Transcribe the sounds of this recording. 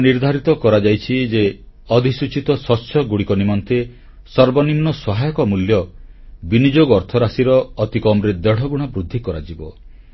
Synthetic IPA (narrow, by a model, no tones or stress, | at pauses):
niɾd̪ʱaɾit̪ɔkɔɾad͡ʒajt͡ʃʰid͡ʒe | ɔd̪ʱisut͡ʃit̪ɔsɔsʰɔɡuɽikɔnimɔnt̪e | sɔɾbɔnimnɔsɔɦajɔkɔmuljɔbinid͡ʒoɡɔɾt̪ʰɔɾasiɾɔːt̪ikɔmɾed̪ɔɽ̤ɔɡuɽ̃abɾud̪ʱːikɔɾa̰d͡ʒibɔ